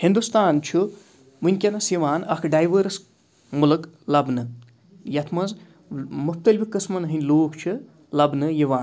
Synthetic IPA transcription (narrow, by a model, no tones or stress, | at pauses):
hind̪ust̪aːnt͡ʃʰu | mɨnʲkʲɐnɐsjiʋaːnɐkʰɖajʋəɾs | mulɨklɐbnɨ | jɐt̪ʰmɐz | mup̚t̪ɐlʲbikːɨsmɐnɦɨnʲloːkt͡ʃʰɨ | lɐbnɨjiʋaːn